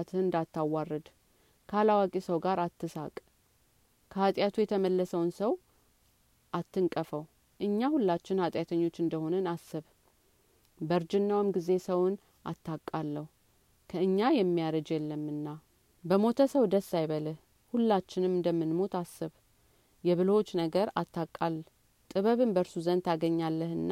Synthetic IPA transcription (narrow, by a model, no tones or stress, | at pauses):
t̪ʰɨnɨnd̪at̪ʰːawːarːɨd̪ | kʰəalawakʼisəwɡaɾat̪ːɨsa̰kʼ | kʰəhat̪ʼjat̪ʰujɛt̪ʰəməlːəsəwnsəw | ʔat̪ːɨŋkʼəfəw | ʔɨɲːahulːat͡ʃːɪnhat̪ʼjat̪ʰəɲːo̞t͡ʃːɨnd̪əho̞nənasːɨβ | bəɾd͡ʒɪnːawɨmɡize̞səwn | ʔa̰t̪ːakʼːalːəhu | kʰəɨɲːajɛmːijaɾəd͡ʒjɛlːəmːɨnːa | bəmo̞t̪ʰəsəwd̪əsːajβələh | hulːat͡ʃːɪnɨmɨnd̪əmːɨnmo̞t̪ʰasːɨβ | jɛβɨlot͡ʃːnəɡəɾat̪ʰːakʼːalː | t̪ʼɨβəβɨnbəɾsuzənt̪ʰaɡəɲːalːəhɨnːa